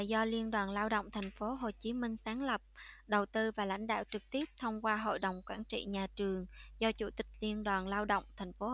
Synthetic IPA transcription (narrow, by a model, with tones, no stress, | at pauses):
jzɔ˧li˧ənɗwaː˨˩nlaː˧wɗə̰˧˨wŋ͡mt̪ʰa˨˩jŋ̟fo˨˦ɦo˨˩t͡ɕi˨˦mï˧ŋ̟saː˨˦nlə˨˩p̚ɗə˨˩wt̪ɨ˧vaː˨˩la̰˧˥jŋ̟ɗa̰ː˧˨wt͡ɕɨ˨˩k̚t̪i˦˥əp̚t̪ʰə˧wŋ͡mkwaː˧ɦo̰˧˨jɗə˨˩wŋ͡mkwaː˧˩nt͡ɕḭ˧˨ɲaː˨˩t͡ɕɨ˨˩əŋzɔ˧t͡ɕu˧˩t̪ï˨˩k̟̚li˧ənɗwaː˨˩nlaː˧wɗə̰˧˨wŋ͡mt̪ʰɛ˨˩jŋ̟fo˨˦